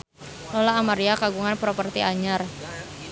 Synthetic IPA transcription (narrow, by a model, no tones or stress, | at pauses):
lolaːmaɾiakaɡuŋanpɾopərt̪iaɲar